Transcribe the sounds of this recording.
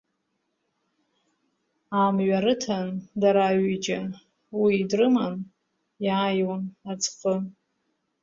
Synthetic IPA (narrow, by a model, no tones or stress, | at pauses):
amɥaɾɨtʰandaɾaɥid͡ʒa | wiːdrɨman | jaːjwanat͡sʰqʼə